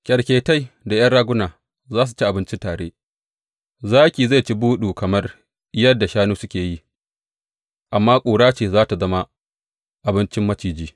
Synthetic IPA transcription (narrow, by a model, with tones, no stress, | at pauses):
kʲʼɐ˨ɽkʲeː˨ta˦jda˨j̰ɐ˦nɽaː˦ɡʷʊ˦naː˨ | zaː˦s̬u˨t͡ʃi˦ʔa˨bɪ˦nt͡ʃɪ˦taː˨ɽḛː˦ | zaː˦kʲiː˨za˦˨t͡ʃi˦buː˦ɗuː˨kɐ˨mɐ˦r | jɐ˦dːa˨ʃaː˦nuː˦sʊ˦kʲeː˨ji˦ | ʔa˨mːaː˦kʷʼuː˨ɽaː˦t͡ʃeː˨zaː˦ta˨zɐ˦ma˦ | ʔa˨bɪ˦nt͡ʃɪ˦mːɐ˦t͡ʃiː˨d͡ʒiː˦